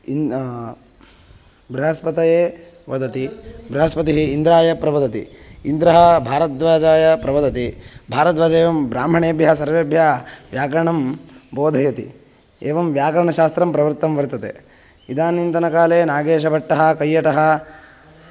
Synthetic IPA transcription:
i | bɾiɦɐspɐt̪ɐjeː | ʋɐd̪ɐt̪ibɾiɦɐspɐt̪iɦiːnd̪ɾaːjɐpɾɐʋɐd̪ɐt̪ḭːnd̪ɾɐɦɐbʱaːɾɐt̪ʋaːd͡ʒaːjɐpɾɐʋɐd̪ɐt̪ibʱaːɾɐt̪ʋaːd͡ʒɐeːʋɐmbɾaːm̤ɐɳeːɐbʱjɐɦɐsɐɾʋeːbʱjaːʋjaːkɐɾɐɳɐmboːd̪ʱɐjɐt̪i | eːʋɐmʋjaːkɐɾɐɳɐʃaːst̪ɾɐmpɾɐʋɐɾt̪ːɐmʋɐɾt̪ɐt̪ḛ | id̪aːnint̪ɐnɐkaːleːnaːɡeːʃ̬ɐbʱɐʈːɐɦɐ̆kɐjːɐʈɐɦɐ̆

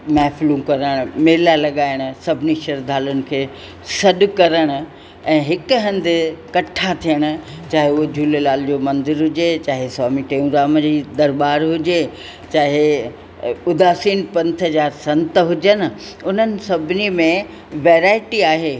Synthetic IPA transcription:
mɛːflũkɐɾəɽ̃ʊmeːlalɐɠaːɪɽ̃̆sɐbʱɪniʃɐɾd̪ʱaːlʊnɪ̆kʰeː | sɐɗʊ̆kɐɾəɽ̃ʊ̆ | ɛ̃ːɦɪkɦɐ̃nd̪ɪ̆kɐʈʰat̪ʰijəɽ̃ʊ̆ | t͡ɕaːɦeʊɦod͡ʑʱuːlelaːld͡ʑoːmɐ̃nd̪ɪɾɦʊd͡ʑet͡ɕaːɦesɔːmiʈeũɡɾaːmd͡ʑiːd̪ɐɾbaːɾɦʊd͡ʑe | t͡ɕaːɦe | ʊd̪aːsiːnpɐ̃nt̪ʰɦəzaːɾsɐ̃nt̪ɦʊd͡ʑən̆ | ʊn̤ənɪ̆sɐbʱɪnimẽ | ʋeːɾaːɪʈiaːɦeː

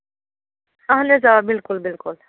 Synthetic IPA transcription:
ɐɦnezabɪlkʊlbɪlkʊl

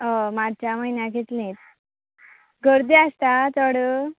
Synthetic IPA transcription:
əmaɽt͡ɕaməjnjaket̪lĩt̪̚ | ɡʱəɾd̪iast̪at͡sɔɽə

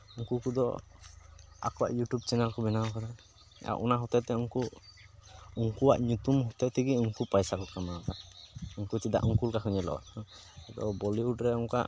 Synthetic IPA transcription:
uŋkukud̪ɔ̰ | a̰kɔwa̰ʔjuʈjub̚t͡ʃɛnalkɔbɛnawɔkad̪a | a̰ʔɔ̰naɦɔt̪ɛt̪ɛuŋku | uŋkuwa̰ʔɲut̪umɦɔt̪ɛt̪ʰiɡiuŋkupajsakɔkamaɔkaʔuŋkut͡ʃid̪a̰ʔuŋkulkakʰɔɲɛlɔ̰a̰ʔ | d̪ɔ̰bɔliuʈɾɛɔŋka̰ʔ

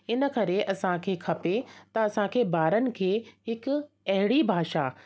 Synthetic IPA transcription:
ɪnə̆kɐɾeʔɐsãkʰeːkʰɐpet̪ɐɐsãkʰeːbaːɾənɪ̆kʰeːɦɪk | ɐɦɪɽibʱaːʃa

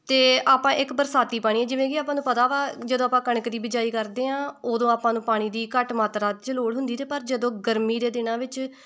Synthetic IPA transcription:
t̪eːaːpãːʔɪkbəɾsaːt̪iːpaːɽ̃iːɛːd͡ʒɪʋẽːkiaːpãːnũːpət̪aːʋaːd͡ʒəd̪õːaːpãːkəɽ̃əkd̪iːbɪd͡ʒaːiːkəɾd̪eːãːoːd̪õːaːpãːnũːpaːɽ̃iːd̪iːkəʈmaːt̪ɾaːt͡ʃəloːɽɦʊ̃nd̪iːt̪eːpəɾd͡ʒəd̪õːɡəɾmiːd̪eːd̪ɪnãːʋɪt͡ʃ

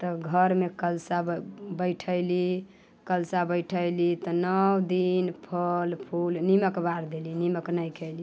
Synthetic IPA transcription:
t̪ɔɡʱəɾmekəlsabəɪʈʰəɪli | kəlsabəjʈʰəjlit̪ɔnəwd̪inpʰəlpʰulniməkbaɾd̪eliniməknəjkʰəjli

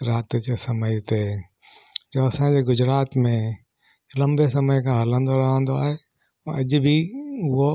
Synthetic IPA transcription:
ɾaːt̪d͡ʑesɐməjt̪e | d͡ʑoːɐsãɲd͡ʑeːɡʊd͡ʑɾaːt̪mẽ | lɐ̃mbesɐməjkʰãɦɐlə̃nd̪oɾɐɦə̃nd̪oaːɦẽ | ɐʄʊbʱiʊɦo

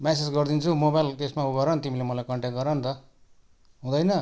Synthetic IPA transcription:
mɛsed͡zɡʌrd̪int͡sʰumobajlt̪esmaɦuɡʌɾʌnt̪imilemʌlajkʌɳʈek̚ɡʌɾʌnt̪ʌ | ɦũd̪ʌjnʌ

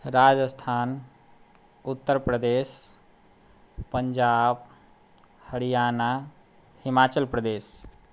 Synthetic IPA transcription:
ɾaːd͡ʒəst̪ʰaːn | ut̪ːəɾpɾəd̪eːs | pəɲd͡ʒaːb | həɽijaːna | himaːt͡ʃəlpɾəd̪eːs

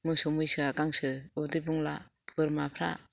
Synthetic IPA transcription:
mɯŋsɯmujsɯakaŋsɯudɯjbuŋla | b̥ɯɾmapʰɾa̰

